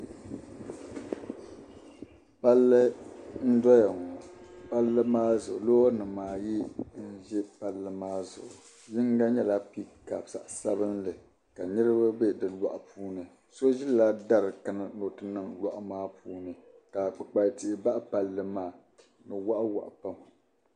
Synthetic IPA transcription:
pa˦lːɨ˦n̩˦dɔ˦ja˨ŋɔ˨pa˦lːɨ˦maː˦zʊ˨ʔʊ˨loː˦nɨ˨maː˨ji˦n̩˦ʒɛ˦pa˦lːɨ˦maː˦zʊ̰˨ʔʊ˨ | ji˦ŋ˦ɡa˦ɲɛ˦la˦pi˦ka˨bsa̰˨ʔsa˦βɨ˦nlɨ˨ | ka˨nɨ˦ɾɨ˦ba˦be˦dɨ˨la̰˨ʔpuː˦nɨ˨ | so˦ʒi˦lla˦da˦ɾɨ˨ka˦nɨ˨no˨tɨ˦nɨ˨ŋlwa˨ʔʊ˨˦maː˦puː˦nɨ˨ | ka˨k͡pɨ˨k͡pa˨ti˨ʔba˦ʔpa˨lːɨ˨maː˦˨ | nɨ˨wa˦ʔwa̰˨ʔpa˦mɨ˨

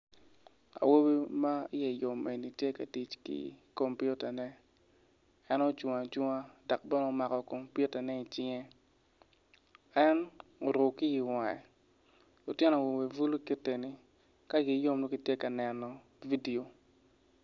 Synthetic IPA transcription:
a̰˨wo˦bi˦ma˦ɪ˦jɛ˨jo˨mʔe˨ni˨tje˦ka˨ti˨t͡ʃkḭ˦ko˨mpu˦ta˨nɛ˦ | ɛ˦nɔ˦t͡ʃu˨ŋa˨t͡ʃu˦ŋa˦da˨k̚bɛ˦nɔ˦ma˨kɔ˨ko˨mpju˦ta˨nɛ˦i˨t͡ʃɪ˦ŋɛ˦ | ɛ˦no˨ɾʊ˨kɪ˦ji˨wa˨ɛ̰˨ | lʊ˨tjɛ˦nɔ˨wo˨we˨vu˦lu˦ki˦te˨ni˨ | ka˦ɡi˨˦jo˦mno˦ki˦tje˦ka˨nɛ˨nːɔ˨ | vi˦di˨o˨

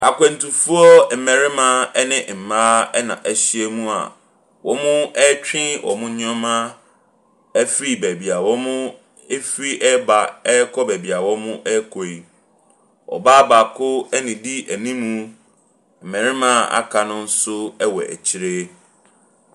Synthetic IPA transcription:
a˨kʷɛ̃˨n̩˨tu˨fu˦ɔ˦m̩˨mɛ̃˨ɾɪ˦mã˦ɛ˦nɪ̃˦˨m̩˨mãː˦ɛ˦nã̰˨ʔæ˨ɕi˦e˦mũ˦a̰˨ | wɔ˦mʊ̃˦ɛ˦t͡ɕᶣɪ̃˦wʔɔ̰˨mʊ̃˦ɲ˦ɔ̃˦mã˦ | ɛ˦fɾi˦bæ˨bi˨a˨wɔ˦mʊ̃˦ | e˦fɾi˦ʔɛ˦ba˨ɛ˦kʰɔ˦bæ˨bi˨a˨wɔ˦mʊ̃˦ʔɛ˦kʰɔ˨i˨ | ɔ̰˨baː˦ba˨kʰʊ˦ɛ˦nɪ̃˨di˦ʔæ˨nĩ˦mũ˦ | m̩˨mɛ̃˨ɾɪ˦mã˦a̰˦kʰa˨nʊ̃˦n̩˦sʊ˦ɛ˦wɔ˨ʔæ̰˨t͡ɕʰi˦ɾe˦

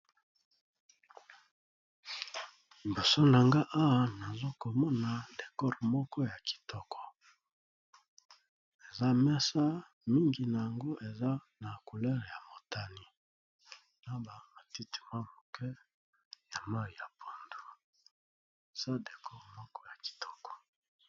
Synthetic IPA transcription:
li˨bo˨so˦na˨ŋɡa˦ʔa˦wa˨na˨zo˦ko˨mɔ˦na˨de˨kɔ˦ʁmɔ˦kɔ˦ja˨ki̥˨tɔ˦kʰɔ̥˨ | e˨za˦mɛ˦sa˦ | mi˦ŋɡi˨na˨ja˨ŋɡo˦ʔe˨za˦ | na˨ku˨lɛ˦le˨ja˨mo˨ta˨ni˨ | na˦ba˨ma˨ti˦ti̥˨mwa˦˨mo˨kʰɛ˦ | ja˨ma˦ji˨ja˨pʰo˨ndu˨ | e˨z̥a˦de˨kɔ˦ʁmɔ˦kɔ˦ja˨ki̥˨tʰɔ̥˦kɔ̥˨

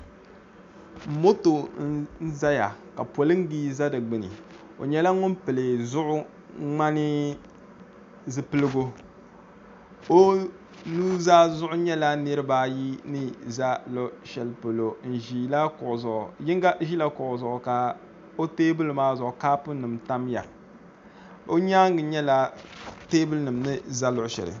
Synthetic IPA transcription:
m̩˨mo˦to˨n̩˦n̩˦za˦ja˨ka˨po˨lɨ˦ŋ˦ɡi˦za˦dɨ˨ɡ͡bɨ˨nɨ̰˨ | o̰˨ɲɛ˦la˦ŋʊ˦mpɨ˨lɨ˨zʊ˦ʔʊ˦ | ŋ͡ma˦nɪ˦ | zɨ˨pɨ˦lɨ˦ɡo˦ | o˦ | nuː˦zaː˦zʊ˦ʔʊ˦ɲɛ˦la˦nɨ˦ɾɨ˦baː˦ji˦nɨ˦za˦lo˦ʃɛ˨lpo˨lo˨n̩˨ʒi˨la˦kʊ˨ʊ˨zʊ˨ʔʊ˨jɪ˦ŋ˦ɡa˦ʒi˦la˦kʊ˨ʔʊ˨zʊ˨ʔʊ˨ka˨ | o˦teː˦bɨ˦lmaː˦zʊ˨ʔʊ˨kaː˦pʊ˦nɨ˨mta˦mja̰˨ | o˦ɲaː˦ŋɡɨ˨ɲɛ˦la˦teː˦bɨ˦lnɨ˨mnɨ˦za˦lʊ˨ʔʃɛ̰˨lɨ̰˨

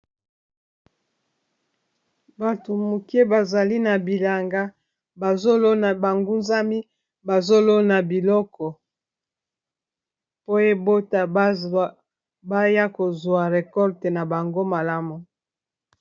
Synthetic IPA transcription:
ba˨to˨mu˨ke˦ba˨za˨li˦na˨bi˨la˨ŋɡa˦ | ba˨zo˦lo˦na˨ba˨ŋɡu˦nza˦mi˦ | ba˨zo˦lo˦na˨bi˨lɔ˦kɔ˨ | po˦je˦bo˦ta˨˦ | ba˦ja˦ko˨zwa˨ʁe˨kɔ˦ʁte˨na˨ba˨ŋɡo˦ma˨la˦mu˨

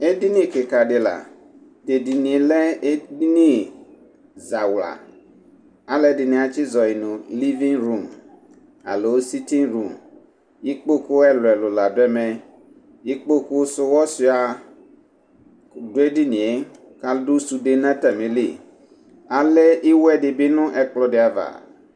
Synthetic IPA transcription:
e˦di˦nĩ˦kɪ˨ka˨ɖɪ˨la̰˨ | de˨di˨nĩ˨e˨lɛ˦e˦di˦nĩ˦ | za˨wla̰˨ | a˦lɛ˦dɪ˨nĩ˨a˨t͡ʃi˦zɔ˨i˨nʊ̃˨li˦vĩ˦ŋɾu˦˨m | a̰˨lo˨˦si˦tĩ˦ŋɾu˨m | ji˦k͡po˦ku˦ɛ˦lʊ˨ɛ˨lʊ˨la˨dɛ˦mɛ˨ | ji˦k͡po˦ku˦sʊ˦wɔ˦si˨˦a˨ | dʊ˦e˦di˦nĩ˨e˦ | ka˦ldu˦su˨de˦nã˦ta˨mẽ˨li˦˨ | a˨lɛ˦ʔi˦wɛ˦ɖɪ˨bɪ˦nʊ̃˦ʔɛ˨k͡plɔ˦de˨a˨va̰˨

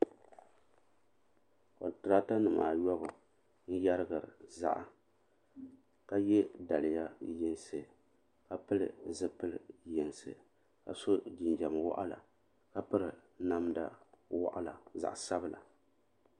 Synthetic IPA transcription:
ko˨tɾaː˦ta˦nɨ˨ma̰ː˨jɔ˦bɨ˨ | n̩˦ja˦ɾɨ˦ɡɨ˨ɾɨ˨za̰˦ʔa˨ | ka˦jɛ˦da˨lɪ˨ja˦jɛ˦n˦sɨ˨ | ka˦pɨ˦lɨ˨zɨ˦pɨ˦ljɛ˨nsɨ̰˨ | ka˨so˦d͡ʒi˨nd͡ʒa˨m˨wa̰˦ʔa˦la̰˨ | ka˦pɨ˦ɾɨ˨na˦mda˦wa̰˦ʔa˦la̰˨za̰˨ʔsa˦bɨ˦˨la̰˨

